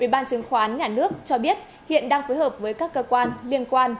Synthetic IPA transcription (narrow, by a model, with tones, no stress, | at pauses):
ʔi˧˩ɓaː˧nt͡ɕɨ˨˦ŋxaː˧ʔaː˨˦nɲaː˨˩nɨ˦˥ək̚t͡ɕɔ˧ɓi˦˥ət̚ | hḭ˧˨ənɗaː˧ŋfoː˨˦jhəː˨˩p̚vəː˨˦jkaː˦˥kːəː˧kwaː˧nli˧ənkwaː˧n